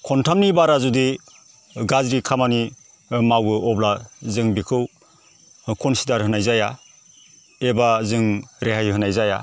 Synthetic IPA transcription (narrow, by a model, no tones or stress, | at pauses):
kʰɔntʰamnibaɾazudi | ɡazɾikʰamani | mawɯɔblazɯŋbikʰɯw | kʰɔnsidaɾɦɯnajzaja | ebazɯŋɾeɦajɦɯnajzaja̰